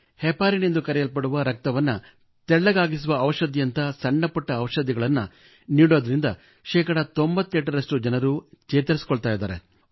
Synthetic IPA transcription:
hɛpːaːɾinind̪ukɐɾɛjɐlpɐɽuʋɐɾɐk̚t̪ɐʋɐnːɐ | t̪ɛɭːɐɡaːɡisuʋɐːʋɐʃɐd̪ijɐnt̪ɐsɐɳːɐpɐʈːɐːʋɐʃɐd̪iɡɐɭɐnːɐ | niːɽoːd̪ɐɾind̪ɐ | ʃɛːkɐɽɐt̪ombɐt̪ːeʈːɐɾɐʂʈud͡ʒɐnɐɾuːt͡ʃɛːt̪ɐɾisi̥kɔɭt̪aːjid̪aːɾe

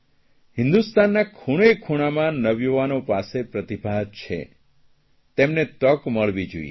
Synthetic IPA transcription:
ɦɪ̃nd̪ust̪anːakʰuɽekʰuɽ̃amãnəʋjuʋanopasepɾət̪ibʱaɦət̪t͡ʃʰḛ | t̪emnet̪əkməɭʋid͡ʒṵḭḛ

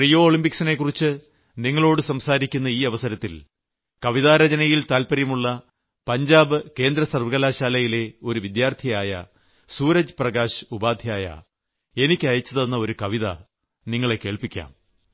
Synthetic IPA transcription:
rijo̞ːoːɭimpiksine̞kːurit͡ɕːɨ | niŋːɐɭo̞ːɽɨsɐmsaːɾikʲːunːɐiːɐʋɐsɐɾɐt̪ːil | kɐʋiðaːɾɐd͡ʑɐnɐjilt̪aːlpɐɾjɐmuɭːɐ | pɐɲd͡ʑaːbɨke̞ːnd̪ɾɐsɐrʋɨɣɐlaːɕaːlɐjile̞o̞ɾuʋid̪jaːrt̪ʰijaːjɐ̰ | suːɾɐd͡ʑɨprɐɡaːɕubaːd̪ʱjaːjɐ̰ | e̞nikʲːɨɐjɐt͡ɕːɐðɐnːɐo̞ɾukɐʋiðɐ | niŋːɐɭe̞ke̞ːɭpikʲːa̰ːm

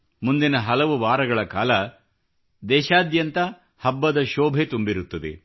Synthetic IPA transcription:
mund̪inɐɦɐlɐʋuʋaːɾɐɡɐɭɐkaːlɐ | d̪ɛːʃaːd̪jɐnt̪ɐ | hɐbːɐd̪ɐʃɔːbʱet̪umbiɾut̪ːɐd̪ḛ

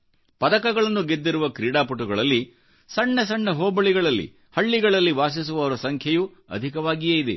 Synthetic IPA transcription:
pɐd̪ɐkɐɡɐɭɐnːuɡe̞d̪ːiɾuʋɐkɾiːɽaːpuʈuɡɐɭɐlːi | sɐɳːɐs̬ɐɳːɐɦoːbɐɭiɡɐɭɐlːḭ | hɐɭːiɡɐɭɐlːiʋaːs̬is̬uʋɐʋɐɾɐsɐŋkʰjɐju | ɐ̰d̪ʱikɐʋaːɡijejid̪ḛ

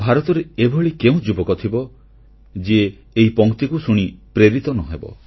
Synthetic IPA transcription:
bʱaɾɔt̪ɔɾeebʱɔɭikeũd͡ʒubɔkɔt̪ʰibɔ | d͡ʒ | eɦipɔŋkt̪ikusuɽ̃ipɾeɾit̪ɔnɔɦebɔ̰

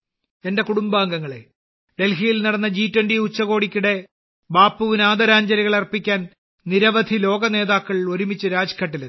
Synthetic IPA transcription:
e̞nde̞kuɽumbaːŋɡɐŋːɐɭe̞̰ | ɖe̞lɦijilnɐɽɐnːɐd͡ʑiːtːwɐnɖiut͡ɕːɐɣo̞ːɽikʲːuɽe̞ | baːpːuʋinaːd̪ɐɾaːɲd͡ʑɐɾiɣɐɭɐrpːikʲːaːn | niɾɐʋɐd̪ʱilo̞ːɡɐne̞ːðaːkːɐɭilo̞ɾumit͡ɕːɨɾaːd͡ʑkʰɐʈːilu

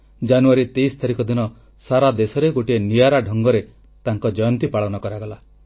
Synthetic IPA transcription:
d͡ʒanuaɾit̪ejst̪ʰaɾikɔd̪inɔ | saɾad̪esɔɾeɡoʈieniaɾaɖʱɔŋɡɔɾe | t̪aŋkɔd͡ʒɔjɔnt̪ipaɭɔnɔkɔɾaɡɔla

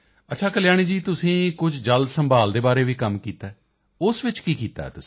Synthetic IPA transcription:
ətːʃʰaːkəlɪjaːɽ̃iːd͡ʒiːt̪ʊsĩːkʊd͡ʒd͡ʒəld̪səmbaːld̪eːbaːɾeːʋiːkəmkiːt̪aɛː | ʊsʋɪt͡ʃkiːkiːt̪a̰ːɛ̰ːt̪ʊsi̥

